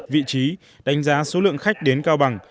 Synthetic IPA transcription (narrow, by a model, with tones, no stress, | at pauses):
vḭ˧˨t͡ɕi˨˦ | ɗa˨˦jŋ̟zaː˨˦so˨˦lɨ̰˧˨əŋxa˦˥jk̟̚ɗe˨˦nkaː˧wɓa˨˩ŋ